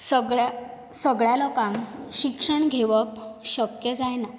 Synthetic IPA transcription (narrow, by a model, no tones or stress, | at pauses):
səɡɭa | səɡɭjalɔkãmɕikʂəɳɡʱeʋəpɕəkjəd͡zajna